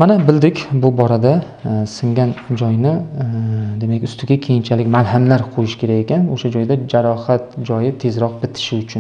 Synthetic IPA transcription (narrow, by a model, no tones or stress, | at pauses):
manabɪld̪ɪkʲbʊbɒɾad̪a | sɪŋɡʲand͡ʒɒjnɪ | d̪e̞makʲʊst̪ʰɪɡʲakʲʰe̞jɪnt͡ʃʰalɪkʲmalˠɦamlaɾqʰojɪʃkʲʰe̞ɾakʲekʲanoʃad͡ʒɒjd̪ad͡ʒaɾɒhat̪d͡ʒɒjɪt̪ʰe̞zɾɒq̚bɪt̪ʰɪ̥ʃɪʊt͡ʃʰʊn